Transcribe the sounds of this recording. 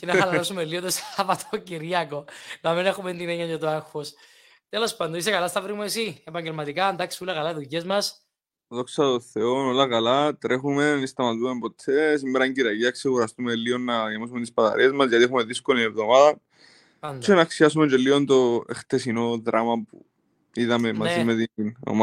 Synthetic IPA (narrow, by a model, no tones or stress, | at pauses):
cenɐxɐlɐɾasumelːiot̪osvɐt̪ʰociɾiɐkonɐminexument̪ineɲːɐɲjot̪uaxos | t̪elo̞spand̪ois̬ekɐlast̪ɐvɾimuesiepɐɲɟelmɐt̪ikand̪aksi̥ulɐkɐlaiðuʝezmɐs | ðoksɐt̪oθeonolɐkalat̪ɾe̞xume̞nist̪ɐmɐt̪uempot̪ʰːes̬imːeɾɐiɲɟiɾɐʝiɐkseɣuɾɐst̪umelːio̞nːɐjamasument̪ispɐt̪ɐ̰ɾie̞zmɐsʝɐt̪iexumeðiskoliinevðo̞maðɐn | nt͡ʃenaksiasument͡ʃelːiont̪oext̪esino̞ðɾʔamɐpṵ | iðɐme̞mɐzimet̪ino̰ma